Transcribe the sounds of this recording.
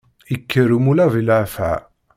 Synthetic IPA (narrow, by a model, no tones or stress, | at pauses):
ikʰːəɾumulævilʕfa̰